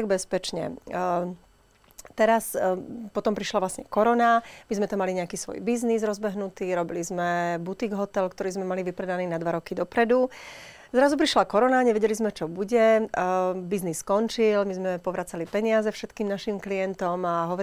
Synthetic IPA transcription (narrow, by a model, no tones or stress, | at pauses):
ɡ̚bɛspɛt͡ʃɲɛ̰ | t̪ɛɾaspɔt̪ɔmpɾiʃlaʋlasɲɛkɔɾɔnamizmɛt̪amaliɲɛakiːsʋɔ̰jbiznizɾɔzbɛɦnut̪iːɾɔbilizmɛbut̪iɡɦɔt̪ɛlkt̪ɔɾiːzmɛmaliʋipɾɛd̪aniːnad̪ʋaɾɔkid̪ɔpɾɛd̪u | zɾazupɾiʃlakɔɾɔnaɲɛʋɛɟɛlizmɛt͡ʃɔbuɟɛ | biznisːkɔnt͡ʃilmizmɛpɔʋɾat͡salipɛɲɪazɛfʃɛt̪kiːmnaʃimklijɛnt̪ɔmaɦɔʋɔ